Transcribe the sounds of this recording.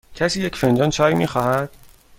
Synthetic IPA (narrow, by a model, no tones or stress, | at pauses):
cʰæsiːjecʰfend͡ʒɒːnt͡ʃʰɒːjmiːxɒːhæd̪̥̚